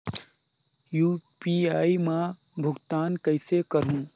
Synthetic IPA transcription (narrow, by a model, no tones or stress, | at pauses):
juːpiaːimã | bʱʊɡt̪aːnkəɪsekəɾɦũː